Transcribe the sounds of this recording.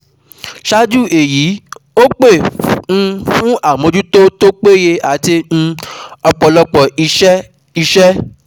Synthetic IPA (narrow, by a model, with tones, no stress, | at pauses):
ʃa˦d͡ʒu˦˨e˨jiː˨˦o˦k͡pe˦˨ñ̩˧fũ˦a˦˨mõ˧d͡ʒu˦to˦to˦k͡pe˦je˧a˨ti˧n̩˧ɔ˧k͡pɔ˧lɔ˧k͡pɔ˨i˧ʃɛ˦ | i˧ʃɛ˦